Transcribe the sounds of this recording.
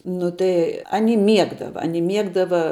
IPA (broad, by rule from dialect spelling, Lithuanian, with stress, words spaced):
ˈnʊ tɐɪ ɐˈnʲɪ ˈmʲiɛɡdɐʋɐ ɐˈnʲɪ ˈmʲiɛɡdɐʋɐ